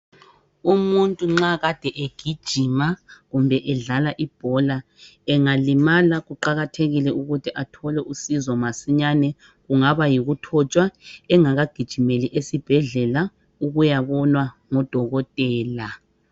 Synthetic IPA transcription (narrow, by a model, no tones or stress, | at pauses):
umuntʼuŋ͡ǁaɣad̥ʱɛʔeɡ̥ʱid̥ʒ̥ʱimaɣumbʱɛʔɛɮalaʔib̥ʱɔla | ɛŋalimalaɣuǃaɣatʰeɣilɛʔuɣutʰiʔatʰɔlɛʔusizɔmasiɲanɛ | ɣuŋaβajiɣutʰɔt͡ʃʼwaɛŋaɣaɡ̥ʱid̥ʒ̥ʱimeliʔesib̥ʱɛɮɛla | uɣujaβɔnwaŋɔd̥ʱɔɣɔtʼɛːla